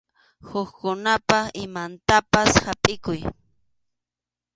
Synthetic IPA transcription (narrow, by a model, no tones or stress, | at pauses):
hʊkkʊnapaɪmant̪apashapʼɪkʊj